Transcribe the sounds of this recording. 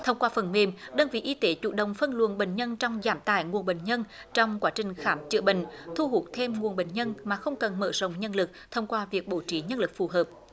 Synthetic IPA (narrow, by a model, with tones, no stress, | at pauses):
t̪ʰə˧wŋ͡mkwaː˧fə˨˩nme˧˩mɗəː˧nvḭ˧˨ʔi˧t̪e˨˦t͡ɕṵ˧˩ɗə̰˧˨wŋ͡mfə˧nlɨ̰˧˨ənɓḛ˧˨˩ŋ̟ɲə˧nt͡ɕɔ˧wŋ͡mzaː˨˦mt̪a̰ː˧˩˨jŋu˨˩ənɓḛə̰˧˨ŋ̟ɲə˧nt͡ɕɔ˧wŋ͡mkwaː˨˦t͡ɕï˨˩ŋ̟xaː˨˦mt͡ɕɨ̰˧˥əɓï˨ŋ̟t̪ʰu˧ɦu˨˩t̚t̪ʰe˧mŋu˨˩ənɓḛ˧˨˩ŋ̟ɲə˧nmaː˨˩xə˧wŋ͡mkə˨˩nmə̰ː˧˩zə̰˧˨wŋ͡mɲə˧nlɨ˨˩k̚t̪ʰə˧wŋ͡mkwaː˧vi˨˩ək̚ɓo˧˩t͡ɕi˨˦ɲə˧nlɨ˨˩k̚fu˨˩ɦəː˨˩p̚